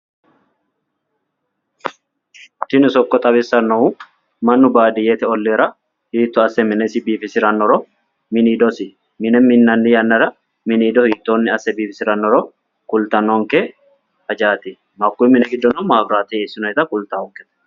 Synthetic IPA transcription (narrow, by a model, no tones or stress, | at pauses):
t̪ɪnɪsɔkːɔt̪ʼɐβɪsːɐnːɔu | mɐnːʊbaːd̪ɪjet̪ɛɔlːeːɾɐ | hiːt̪ːɔɐsːɛmɪnɛsɪbiːfɪsɪɾɐnːɔɾɔ | mɪniːd̪ɔsɪ | mɪnɛmɪnːɐnːɪjɐnːɐɾɐ | mɪniːd̪ɔhiːt̪ːoːnːɪɐsːɛbiːfɪsɪɾɐnːɔɾɔ | kʊlt̪ɐnɔŋkɛ | ɐd͡ʒaːt̪ɪ | mɐkːumɪnɛɡɪd̪ːɔnʊmaːbɾaːt̪eɛsɪnɔɛt̪ɐkʊlt̪aːʊŋkɛt̪ɐ̥